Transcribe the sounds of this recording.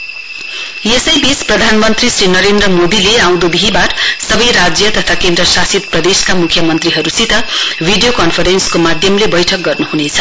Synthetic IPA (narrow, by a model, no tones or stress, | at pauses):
jesʌjbit͡sprʌd̪ʱanmʌnt̪risrinʌɾend̪rʌmod̪ileãw̃d̪ubʱiɦibaʈʌsʌbʌjɾad͡zjʌt̪ʌt̪ʰakend̪rʌsasit̪̚prʌd̪eskamukʰjʌmʌnt̪riɦʌɾusit̪ʌbʱiɖijokʌnpʰʌɾenskomad̪ʱjʌmlebʌjʈʰʌk̚ɡʌrnuɦunet͡sʰʌ̥